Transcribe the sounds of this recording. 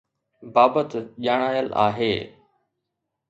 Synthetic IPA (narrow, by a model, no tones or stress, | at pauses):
baːbət̪ʄaːɽ̃aːjəla̰ːɦeː